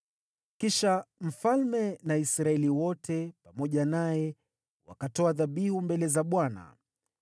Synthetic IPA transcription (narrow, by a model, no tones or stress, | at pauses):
kiʃam̩falmɛnaisɾaɛliwɔtʰɛpamɔʄanajɛ | wa̰katɔaðaɓihumbɛlɛzaɓwana̰